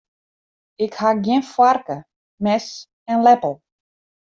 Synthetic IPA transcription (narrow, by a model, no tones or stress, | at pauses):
ɪkhaɡjɪnfwarkə | mɛs | ɛnlɛpəl̩ˠ